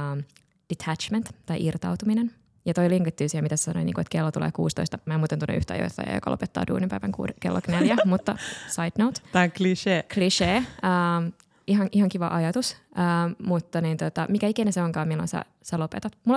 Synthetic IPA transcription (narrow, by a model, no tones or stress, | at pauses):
d̥it̪ʰæt͡ʃment̪t̪ɑiʔirt̪ɑwt̪uminen | jɑt̪oiliŋɡɑt̪ːyːsiæmit̪æse̥sɑno̰inḭːŋkuet̪kelːot̪ulḛːkṵːst̪o̰ist̪ɑmæːemuːt̪ent̪unːḛy̰ht̪æɑ̰jo̰it̪ːɑ̰jɑ̰jo̰kɑ̰lopet̪ːɑ̰ːdṵːnimpæiʋæŋkṵːkḛlːʔo̰kneljæmut̪ːɑsɑjd̥nowt̪t̪ɑkliʃeːkliʃeːəːm | iɦɑnʔihɑŋkiʋɑ̰ʔɑjɑt̪us | əːmut̪ːɑnint̪ot̪ɑmikæikineseoŋkɑːmilːo̰nsæ̰ | sælopet̪ɑt̪mul